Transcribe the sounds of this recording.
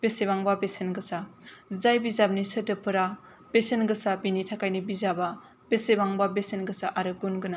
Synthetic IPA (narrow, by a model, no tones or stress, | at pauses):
b̥esebaŋbabesenɡɯsazajbizab̚nisɯtɯpʰɯɾa | b̥esenɡɯsabinitʰakajnibizaba | b̥esebaŋbabesenɡɯsaʔaɾɯɡunɡɯna